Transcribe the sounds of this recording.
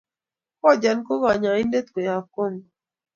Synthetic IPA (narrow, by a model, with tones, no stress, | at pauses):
kɔ˦˨d͡ʒa˨nko˦ɣa˨ɲa˨i˦nde˦t̪ke˨a˨ko˦˨ŋ